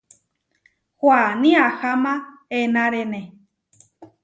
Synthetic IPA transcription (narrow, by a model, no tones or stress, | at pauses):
hwʷanĩahamãenãɾenẽ